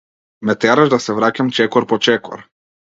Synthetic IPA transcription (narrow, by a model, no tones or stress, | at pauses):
mɛt̪ɛɾaʒd̪asɛvɾacamt͡ʃɛkɔɾpɔt͡ʃɛkɔ̰ɾ